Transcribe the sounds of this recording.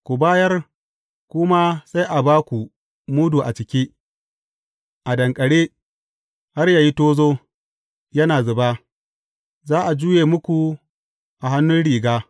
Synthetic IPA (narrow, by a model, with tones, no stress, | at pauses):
kʷu˨baː˦jɐ˦r | kʷʊ˦ma˦sa˦jʔa˨baː˦kʷu˨ | mu˦duː˨ʔa˨t͡ʃɪ˨kʲiː˦ | ʔa˨dɐ˨ŋkʼɐ˨ɽeː˦ | ha˦rjaː˨ji˦toː˦zoː˦ | jɐ˦naː˨zʊ˨baː˦ | zaː˦ʔa˨d͡ʒuː˦jeː˨mʊ˦kʷu˨ | ʔa˨ɦa˦nːʊ˦nɽiː˨ɡaː˦